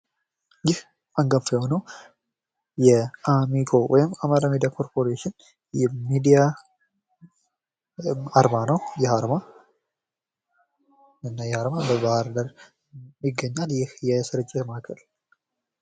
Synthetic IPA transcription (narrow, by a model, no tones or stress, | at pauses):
jɪh | aŋɡəmfjɛhonəw | jɛʔamikʰo̞wɔjɪmamaɾamid̪ijakʰo̞ɾpʰo̞ɾeʃɪn | jɛmid̪ija | aɾmanəwjɛhaɾma | ɨnːajɛhaɾmabəbahaɾd̪əɾ | miɡːəɲːaljɪhjɛsɨɾɨt͡ʃʼːemakʰəl